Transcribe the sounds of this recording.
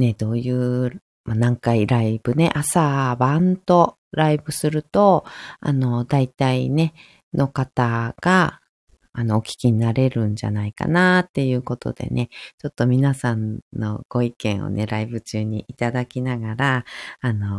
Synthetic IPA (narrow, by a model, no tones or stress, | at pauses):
ne̞d̪̥o̞ːjɯ̟ː | manãŋkaiɾaib̥ɯ̟ne̞̰ʔasabãnt̪o̞ | ɾaibɯ̟sɨɾɯ̟t̪o̞a̰no̞d̪ait̪aine̞ | nʔo̞kat̪aɡ̥aː | no̞okʲi̥kʲiɲ̟inaɾe̞ɾɯ̟̃ɲ̟d͡ʑa̰naika̰nat̪ːe̞jɯ̟ːko̞t̪o̞̰d̪̥e̞̰nʔe̞t͡ɕo̞t̪ːo̞mʲinasãnnːo̞̰ɡ̥o̞ikẽ̞ɰ̃o̰ne̞ɾaibɯ̟t͡ɕɨːɲ̟iʔit̪ad̪akʲinaɡaɾaːno̞